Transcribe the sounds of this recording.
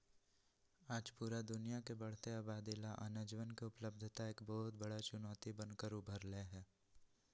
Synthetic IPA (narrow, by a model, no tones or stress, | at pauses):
aːd͡ʒpuːɾad̪ʊnijakebɐɽ̤t̪eaːbaːd̪ilaʔɐ̰nəd͡ʒʋənkeʊpləb̚d̪ʱt̪aeːkbɔɦʊt̪bɐɽat͡ʃʊnɔːt̪ibə̃nkəɾʊbʱəɾleɦɛː